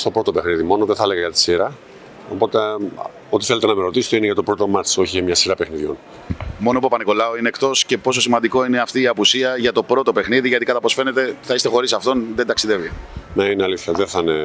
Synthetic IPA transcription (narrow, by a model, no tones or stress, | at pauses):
st̪o̞pɾo̞t̪ope̞xniðimo̞noðeθɐeleɣɐʝɐt̪i̥siɾɐ | opo̞t̪e | o̞t̪i̥θelet̪enɐmeɾo̞t̪ist̪eineʝɐt̪o̞pɾo̞t̪omɐt͡so̞çiemɲɐsiɾɐpexniðʝo̞̰n | mo̞nopupɐniko̞lɐoineːkt̪o̞sce̞po̞s̬o̞simɐnd̪iko̞ine̞ɐft̪iːɐpusiɐʝɐt̪o̞pɾo̞t̪o̞pe̞xniðiʝɐt̪ikɐt̪ɐpo̞sfe̞ne̞t̪e̞θɐist̪e̞xo̞ɾisɐft̪o̞nðend̪ɐksiðe̞vineineɐliθçɐðeθɐine